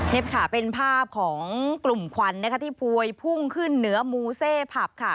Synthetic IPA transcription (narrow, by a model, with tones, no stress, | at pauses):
ne˦˥p̚kʰa˧˩pe˧npʰaː˥˩p̚kʰɔː˩˦ŋklu˨˩mkʰwa˧nːa˦˥kʰt̪ʰiː˥˩pʰuː˧jpʰu˥˩ŋkʰɯ˥˩nːɯ˩˦ɐmuː˧seː˥˩pʰa˨˩p̚kʰa˦˥˩